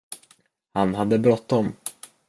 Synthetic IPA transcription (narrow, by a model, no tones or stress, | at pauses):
hanɦad̪ːəbɾɔt̪ːɔm